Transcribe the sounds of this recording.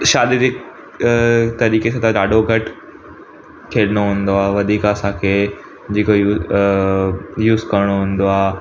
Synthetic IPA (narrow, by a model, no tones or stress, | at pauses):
ʃaːɾiɾɪk | t̪ɐɾiːkesãːt̪ɐɗaːɖoɡʱɐʈ | kʰeːɗɪɽ̃oɦũːnd̪oaːʋɐd̪ʱiːkəsãkʰeː | d͡ʑiːkojuː | juːzkɐɾəɽ̃oɦũːnd̪oaː